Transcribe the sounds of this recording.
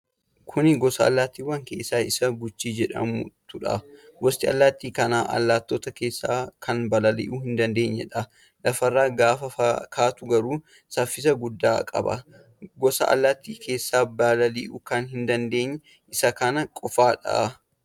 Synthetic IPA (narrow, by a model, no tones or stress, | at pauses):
kʰʊnɪɡɔsɐɐ̰lːaːt̪ːiːwːɐŋkeːsːaːɪsɐɡʊt͡ʃːiːd͡ʒɛᶑɐ̰mʊ̰t̪ʊᶑɐ̰ɡɔst̪ɪɐ̰lːaːt̪ːiːkɐnaːʔɐ̰lːaːt̪ːoːt̪ɐke̞ːsːaːkʰɐnbɐlɐlḭʔuhɪnd̪ɐnd̪e̞ːɲːɛ̰ᶑɐ | lɐfɐrːaːɡaːfɐfɐkʰaːt̪ʊɡɐɾuː | sɐfːɪsɐɡʊd̪ːa̰ːkʼɐ̰bɐ̰ | ɡɔsɐ̰ʔɐ̰lːaːt̪ːiːkʰe̞ːsːaːbɐlɐliʔʊkɐnɦɪnd̪ɐnd̪e̞ːɲːɛ | ʔɪsɐkɐnɐkʼɔfaːᶑɐ̰